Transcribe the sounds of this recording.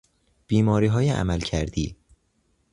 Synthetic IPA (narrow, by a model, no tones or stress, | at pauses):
b̥iːmɒːɾiːɦɒːjeʔæ̰mælcʰæɾd̪iː